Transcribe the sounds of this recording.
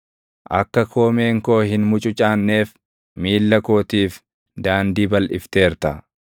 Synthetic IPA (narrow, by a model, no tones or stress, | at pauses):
ʔɐ̰kːɐkʰoːmeːŋko̞ːhɪnmʊt͡ʃʼʊt͡ʃʼaːnːe̞ːf | miːlːɐkoːt̪iːf | d̪aːnd̪iːbɐlʔɪft̪e̞ːɾt̪ɐ